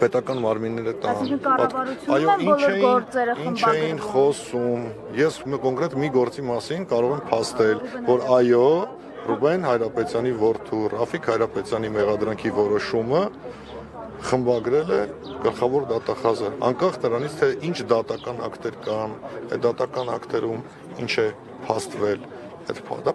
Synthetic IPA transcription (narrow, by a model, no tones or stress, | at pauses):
pɛt̪ɑkɑnmɑɾminːɛɾət̪ɑnɑpɑɾuɑjɔinlʰɛjɔɾt͡sɛɾəint͡ʃʰɛjjinχɔsum | jɛskɔŋkɾɛt̪miɡɔɾt͡simɑsinkɑɾɔʁɛmpʰɑst̪ɛlvɔɾɑjɔ | rubɛnhɑjɾɑpɛt͡sjɑnivɔɾt̪ʰurɑfikʰhɑjɾɑpɛt͡sjɑnimɛʁɑd̪ɾɑŋkʰivɔɾɔʃumə | χəmbɑɡɾɛlɛɡ̥əlχɑvɔɾd̪ɑt̪ɑχɑzəɑ̰ŋkɑχnəɾɑnit͡sʰt̪ʰɛʔint͡ʃʰd̪ɑt̪ɑkɑnɑ̰kt̪ɛɾkɑnɛ̰d̪ɑt̪ɑkɑnɑ̰kʰt̪ɛɾum | int͡ʃʰɛ | pʰɑst̪vɛl | ɛt̪pʰd̪